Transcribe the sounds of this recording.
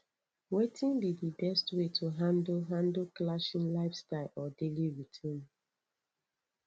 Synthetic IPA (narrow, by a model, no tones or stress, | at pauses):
wetĩnbidibɛstwetʰuɦãndl̩ɦãndlklaʃĩnlaɪfstaɪlɔdeliɹitʰĩn